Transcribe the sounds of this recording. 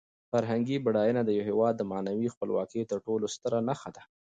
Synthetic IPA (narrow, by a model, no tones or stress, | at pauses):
faɾɦaŋɡibaɽɑjunad̪əjawɦewɑd̪ːəmanawixpəlwɑ̰kət̪əɾʈolost̪əɾanaxad̪a